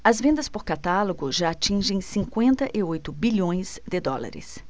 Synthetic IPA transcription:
ɐzvẽnd̪ɐspoɾkat̪aloɡʊʒaːt͡ʃĩʒẽj̃sĩkwẽnt̪ɐʔɪojt̪ʊbiʎõj̃sd̪ɪd̪ɔla̰ɾɪ̰s

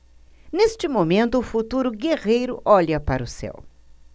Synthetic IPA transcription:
nest͡ʃɪmomẽnt̪ʊːfut̪uɾʊɡeʁejɾʊʔɔʎɐpaɾʊsɛ̰w

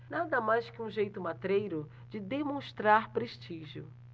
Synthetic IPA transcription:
nad̪ɐmajskɪũʒejt̪ʊmat̪ɾejɾʊ | d͡ʒɪd̪emõst̪ɾaɾpɾeʃt͡ʃiʒjʊ̰

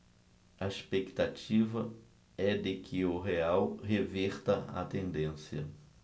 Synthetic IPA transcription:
ɐespekt̪at͡ʃivɐ | ɛd̪ɪkʰɪʊɦeawheveɾt̪ɐɐ̰t̪ẽnd̪ẽsjɐ

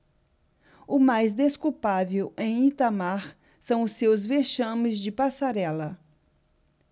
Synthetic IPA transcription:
ʊmajzd̪eskuwpavewẽj̃it̪amaɾ | sɐ̃w̃ʊsːewzveʃɐ̃mɪzd͡ʒɪpasaɾɛlɐ

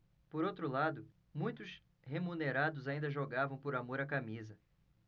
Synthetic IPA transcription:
poɾowt̪ɾʊlad̪ʊ | mũj̃t̪ʊs | hemuneɾad̪ʊzaĩnd̪ɐʒoɡavɐ̃w̃poɾamoɾɐkamizɐ

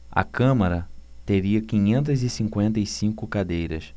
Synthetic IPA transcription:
ɐ̰kɐ̃mɐɾɐt̪eɾiɐkĩɲẽnt̪̬ɐzɪsĩŋkwẽnt̪ɐisĩŋkʊkad̪ejɾɐ̰s

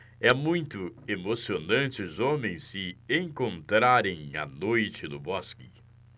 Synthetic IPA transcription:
ɛmũj̃t̪ʊemosionɐ̃nt͡ʃɪzõmẽj̃sɪẽŋkõnt̪ɾaɾẽj̃ɐ̰nojt͡ʃɪnʊbɔskɪ

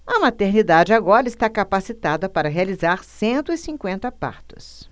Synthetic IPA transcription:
ɐmat̪eɾnid̪ad͡ʒɪaɡɔɾɐɪst̪akapasit̪ad̪ɐpaɾɐɦealizaɾsẽnt̪ʊɪsĩŋkwẽnt̪ɐpa̰ɾt̪ʊ̥s

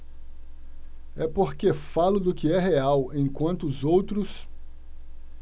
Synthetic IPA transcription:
ɛpoɾkefalʊd̪ʊkɪɛɦeawẽj̃kwɐ̃nt̪ʊːzowt̪ɾʊs

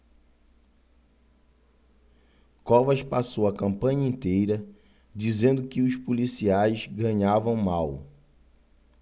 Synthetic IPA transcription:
kɔvɐʃpasowɐkɐ̃mpɐ̃ɲɐẽnt̪ejɾɐ | d͡ʒizẽnd̪ʊkɪʊʃpolisiajzɡɐ̃ɲavɐ̃w̃maw

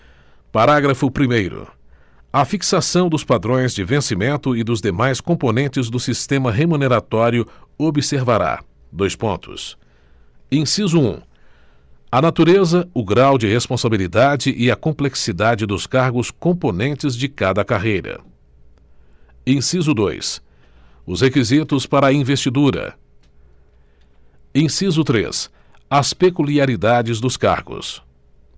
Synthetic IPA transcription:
paɾaɡɾɐfʊpɾimejɾʊ̰ | ɐfiksasɐ̃w̃d̪ʊspad̪ɾõj̃zd͡ʒɪvẽsimẽnt̪ʊɪd̪ʊzd̪emajskõponẽnt͡ʃɪzd̪ʊsist̪ẽmɐɦemũneɾat̪ɔɾjʊobiseɾvaɾa̰ | d̪ojspõnt̪ʊ̰s | ẽsizʊṵ̃ | ɐnat̪uɾezɐʊɡɾawd͡ʒɪhespõsabilid̪ad͡ʒɪʔɪɐkõmpleksid̪ad͡ʒɪd̪ʊskaɾɡʊskõponẽnt͡ʃɪzd͡ʒɪkad̪ɐkaɦejɾɐ̰ | ẽsizʊd̪ojs | ʊshekizit̪ʊspaɾɐɐĩvest͡ʃid̪uɾɐ̰ | ẽj̃sizʊt̪ɾḛs | ɐspekuliaɾid̪ad͡ʒɪzd̪ʊska̰ɾɡʊ̰s

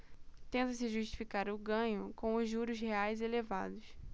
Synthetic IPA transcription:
t̪ẽnt̪ɐsɪʒuʃt͡ʃi̥fikaɾʊɡɐ̃ɲʊkõw̃ʊzʒuɾʊsheajzeleva̰d̪ʊs

